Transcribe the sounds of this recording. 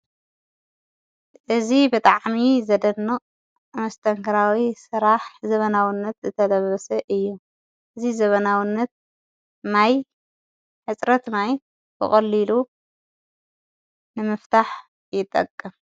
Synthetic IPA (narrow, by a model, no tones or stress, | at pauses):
ʔɨzibɨt̪ʼaʕmizɐd̪ɐnːɨχʼ | mɐst̪ʰɐŋkʰɐɾawisɨɾaħzɐβɐnawɪnːɐt̪zɨt̪ʰɐlɐβɐsɐʔɨjːu | ʔɨzizɐβɐnawɪnːɐt̪̚ | naj | ħɨt͡sʼɾɐt̪naj | bɨ̰χʼɐlːilu | nɨmɨft̪ʰaħ | jɪt̪ʼːɐkʼːɐm